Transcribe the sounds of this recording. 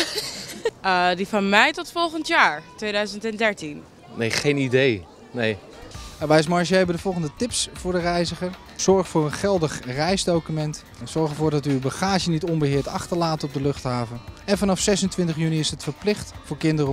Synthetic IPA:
difɑnmɛjtɔtfɔlˠχəntjaːɹtʋejdœɥzəntɛndɛɹtin | nḛjχejnidej | nḛj | aʋɛjs̬mɑɹʃəɦɛbəndəvɔlˠχəndətɪpsfʊːɹdərɛjzəχəɹ | z̥ɔɹχfʊːɹənχɛlˠdəχrɛjzdowkymɛnt | z̥ɔɹχəvʊːɹdɑtybəχaːʒənitɔmbəɦɪːɹtɑ̰χtəɹlaːtɔb̚dəlɵχtɦaːvənɛnvɑnɑfsɛsəntʋɪntəχjyniɪsətfəɹplɪχtfʊːɹkɪndərə

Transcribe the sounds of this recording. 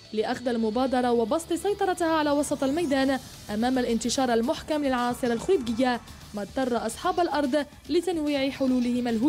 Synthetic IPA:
lɪʔaxd̪almʊbaːd̪ɑɾˤɑwɪbɑsˤt̪ˤɨsɑjt̪ˤɑɾˤɑt̪haʕalaːwɑsˤɑt̪ˤalmajd̪aːn | ʔamaːmalʔɪnt̪ɪʃɑːɾˤʔalmʊħkamlɪlʕɑnɑːsˤɨɾalxʊid̪ɡɪjːa | mat̪ːɑrˤːɑʔɑsˤħɑːbalʔɑɾˤd̪ˤ | lɪt̪anwiːʕɪħʊluːlɪhɪmalɦuːd̪

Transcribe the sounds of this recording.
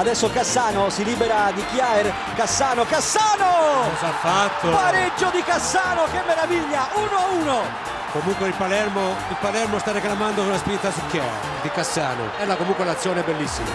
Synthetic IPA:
ad̪ɛsːokasːaːnosiliːbɛɾad̪ikjaer | kasːaːnokasːaːnokɔzafːat̪ːopaɾed͡ʒːod̪ikasːaːnokemːeɾaviʎːauːnouːno | komuŋkweilpalɛɾmo | ilpalɛɾmost̪arːeklamand̪ounaspint̪asukja̰e | d̪ikasːa̰ːno̰ɛlːakomuŋkwelat̪sːjɔːnɛbelːisːima̰

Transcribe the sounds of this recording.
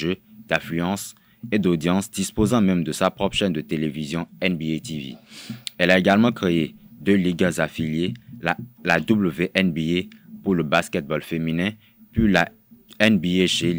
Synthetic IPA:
ʒød̪̥ãflyɑ̃s | ed̪od̪jɑ̃sd̪ispozɑ̃mɛ̃md̪əsapχɔpʃɛnd̪ət̪elevizjɔ̃ɛnbiet̪ivḭɛlaeɡalmɑ̃kχeed̪øliɡazafiljelalad̪ubləveʔɛnbiepuʁləbaskɛt̪̚bɔlfeminɛ̃ | pɥila | ɛnbieʃe

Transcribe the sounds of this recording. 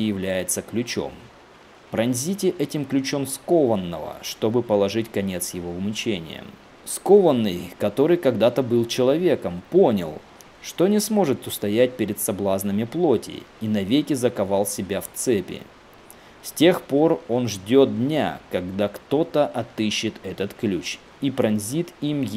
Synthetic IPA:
jɪvlʲæjɪt̪səklʲʉt͡ɕo̞̰m | pɾɐnʲzʲitʲɪʔɛtʲɪmklʲʉt͡ɕo̞mskovənːəvə̰ʂt̪o̞bɨpəlˠɐʐɨtʲkɐnʲe̞t̪sjɪvo̞ʊmʲt͡ɕenʲɪ̰jə̰ | sko̞vənːɨjkɐt̪o̞ɾɨjkɐɡd̪at̪əbɨlˠt͡ɕɪlˠɐvʲe̞kəmpo̞nʲɪ̰lˠ | ʂt̪o̞nʲɪsmo̞ʐɨt̪ʊst̪ɐjæt̚ʲpʲɪɾʲɪd̪t̪sɐblˠaznɨmʲɪplˠo̞tʲɪ̰inɐvʲekʲɪzəkɐvalˠsʲɪbʲaft̪sɛpʲɪ̰ | sʲtʲe̞xpo̞ro̞nʐdʲo̞t̪̚d̪ʲnʲa̰kɐɡd̪akt̪o̞t̪əʔɐt̪ɨɕːɪt̪ɛt̪ət̪klʲut͡ɕ | ipɾɐnʲzʲit̪im

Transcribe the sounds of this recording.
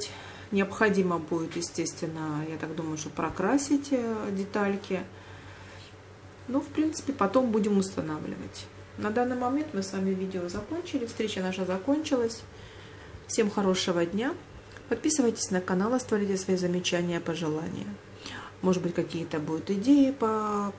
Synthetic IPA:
tʲ | nʲɪəpxɐdʲiməbudʲɪt̪jɪsʲtʲe̞st̪vʲɪnːəjat̪akd̪uməjʊʂt̪opɾɐkɾasʲɪtʲdʲɪt̪alʲkʲɪ | nofpɾʲint̪sɨ̥pʲɪpɐt̪o̞mbudʲɪmʊst̪ɐnavlʲɪ̰və̰tʲ | nɐd̪anːɨjmɐmʲent̪mɨsvamʲɪvʲidʲɪozɐko̞nʲt͡ɕɪlʲɪfst̪ɾʲet͡ɕənaʂəzɐko̞nʲt͡ɕɪlˠəsʲ | fsʲe̞mxɐɾo̞ʂɨvədʲnʲa | pɐt̪̚pʲisɨvəjtʲɪ̥sʲnəkɐnalˠɨst̪vɐɾʲitʲɪsvɐizəmʲɪt͡ɕænʲɪjəpəʐɨlˠa̰nʲɪ̰jə̰ | moʐɨd̪bɨtʲkɐkʲijət̪əbud̪ʊt̪ɪdʲejɪpə

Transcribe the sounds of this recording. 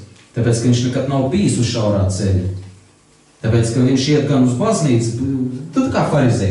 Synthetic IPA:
t̪apʲeːt̪skɐʋiɲʃnɛkat̪nawpʲiːsusʃawɾaːt̪t̪selʲu | t̪apeːt̪skaviɲʃiɛt̪̚ɡanuzbazniːt̪st̪ut̪kaːfaɾizɛ

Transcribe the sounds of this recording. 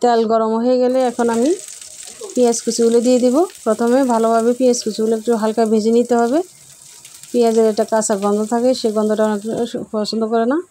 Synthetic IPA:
t̪ɛlɡɔɾɔmɔɦoeɡeleɛkʰɔnami | pieskisʰuuled̪ijed̪ibopɾɔt̪ʰɔmebʱalobʱabepieskisʰuulek̚ʈuɦalkajbʱed͡ʑinit̪eɦɔbe | piaseɾɛk̚ʈakasaɡɔnd̪ʱɔt̪ʰakeʃeɡɔnd̪ʱɔʈaɔnekpɔsɔnd̪ʱɔkɔɾena

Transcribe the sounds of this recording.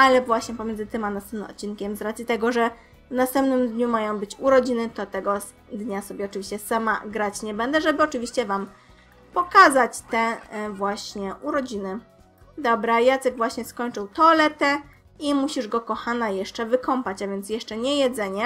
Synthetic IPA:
alɛvwaɕɲɛpɔmjɛnd̪ɘt̪ɘmanast̪ɛmnmɔ̰t̪̚t͡ɕːinkʲɛmzɾat̪sʲit̪ɛɡɔʐɛ | vnast̪ɛmpnɘmd̪ɲumajɔ̃w̃bɘt͡ɕuɾɔd͡ʑinɘt̪ɔt̪ɛɡɔ | d̪ɲasɔbʲjɛɔt͡ʂɨvʲiɕt͡ɕɛsama̰ɡɾat͡ɕɲɛbɛnd̪ɛʐɛbɘɔt͡ʂɘvʲiɕt͡ɕɛvam | pɔkazat͡ɕt̪ɛvwaɕɲɛʔuɾɔd͡ʑinɘ | d̪ɔbɾajat̪sɛɡvwaɕɲɛskɔɲt͡ʂɨwt̪ɔlɛt̪ɛ | imuɕiʐɡɔkɔxanajɛʂt͡ʂɛvɘkɔmpat͡ɕavʲjɛnt̪sjɛʂt͡ʂɛɲɛjɛd̪zɛɲɛ

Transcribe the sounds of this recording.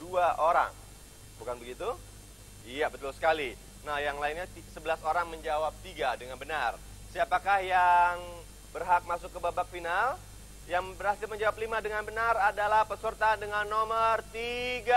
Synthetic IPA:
duaʔoɾa̰ŋ | bukanbəɡit̪u | ijabət̪ulusə̥kali | nahjaŋlainɲat̪isəbəlasoɾaŋməɲd͡ʒawap̚t̪iɡadəŋanbənar | siapakahjaŋ | bərɦak̚masʊkːəbabak̚final | jaŋbəɾhasɪlməɲd͡ʒawap̚limadəŋanbənaradalahpəsərt̪andəŋanːomərt̪iɡa

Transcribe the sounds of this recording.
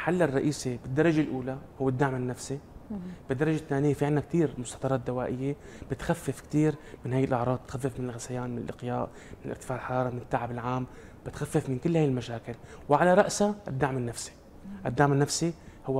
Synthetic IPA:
ħalːɪrˤːɑʔiːsibɪd̪ːɑɾˤɑʒelʔuːlahʊwːɪd̪ːaʕmɪnːafsib̥ɪd̪ːɑɾˤɑʒet̪ːaːnɪjːefiʕɪnːak̚t̪iːɾmʊst̪ɑːt̪ˤɑɾˤɑːt̪̚d̪awaːʔɪjːe | b̥ɪt̪xafːɪfkt̪iːɾmɪnhaːjːɪlʔaʕɾˤɑːd̪̚t̪xafːɪfmɪnɪlɣasajaːnmɪnɪlʔɪqjaːʔ | mmɪnlʔɪɾt̪ɪfaːʕlħɑɾˤɑːɾˤɑmɪnɪt̪ːaʕabɪlʕaːm | b̥ɪt̪xafːɪfmɪnkɪlːhaːjɪlmaʃaːkɪlwʕalaɾˤɑʔsaʔɪd̪ːaʕmɪnːafsi̥ | ʔɪd̪ːaʕmɪnːafsi | hʊwː

